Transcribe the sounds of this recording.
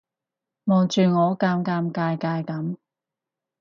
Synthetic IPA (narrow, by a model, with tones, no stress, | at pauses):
mɔː˨wt͡ʃyː˨˧ŋɔː˨˧kaː˧mkaː˧mkaː˧jkaː˧jkɐ˨˥m